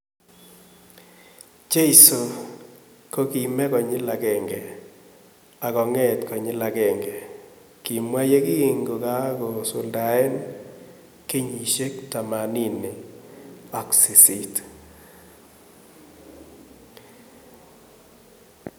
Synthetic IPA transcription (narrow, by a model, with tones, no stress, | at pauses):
t͡ʃe˦i˦so˨ | ko˦ki˨mɛ˦kɔ˨ɲɪ˦la˨kɛ˨ŋɡɛ˨ | a˨kɔ˨ŋɛ˦tkɔ˨ɲɪ˦la˨kɛ˨ŋɡɛ˨ | ki˨mwa˦je˦ki˦˨ŋɡo˨ka˦kɔ˨sʊ˨lda˨ɛ˦n | ke˦ɲi˨ʃe˦kta˨ma˨ni˦nɪ˨ | ɔ˦ksi˨si˨t